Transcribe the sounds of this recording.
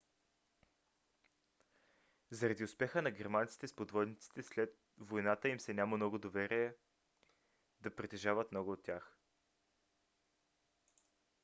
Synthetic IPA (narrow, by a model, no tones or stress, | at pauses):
zɐɾɐd̪iʊspɛxənɐɡɛɾmant̪si̥t̪ɛspod̪vɔd̪nit̪si̥t̪ɛslɛt̪̚ | vojnat̪əimsɛnʲaməmnɔɡʊd̪ovɛɾiɛ | d̪ɐpɾit̪ɛʒavət̪mnɔɡʊːt̪ːʲjax